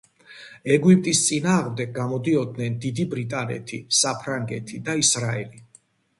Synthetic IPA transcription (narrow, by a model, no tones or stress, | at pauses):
ɛɡuip̚ʼt̪ʼist̪sʼinaːʁmd̪ɛɡ̚ɡamɔd̪iɔd̪nɛnd̪id̪ibɾit̪ʼanɛ̰t̪ʰisapʰɾaŋɡɛt̪ʰid̪aisɾaɛli